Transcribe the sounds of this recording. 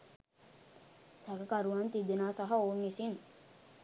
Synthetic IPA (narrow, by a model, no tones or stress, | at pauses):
sæɡəkaɾuʋant̪id̪enaːsaɦaoːnisin